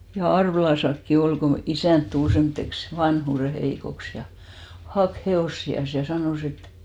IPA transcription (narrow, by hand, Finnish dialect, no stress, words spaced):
jɑ ɑrʋĕlɑsɑkːi ol ko isæˑnt tul semːŏtːeks ʋɑnhuˑre heikoks jɑ hɑk heoˑsːiɑs jɑ sɑnoˑs et